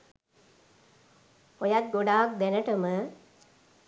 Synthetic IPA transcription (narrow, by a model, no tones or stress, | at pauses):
ojat̪̚ɡoɖaːk̚d̪ɛnəʈəmə